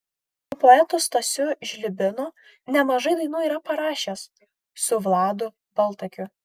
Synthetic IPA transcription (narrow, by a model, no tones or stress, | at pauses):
pʊpoːɛt̪ost̪ɐsʲʊʒʲlʲɪbʲɪno | nʲɛmɐʒɐɪd̪ɐɪnuːiːɾɐpɐɾɑːʃʲeːs | sʊʋlˠɑːd̪ʊ | bɐlˠt̪ɐkʲʊ